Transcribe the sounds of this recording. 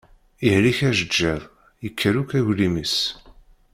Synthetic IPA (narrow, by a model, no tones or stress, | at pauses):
ihliçæʒəd͡ʒːɪðˤ | jəkʰːəɾukæʝliməs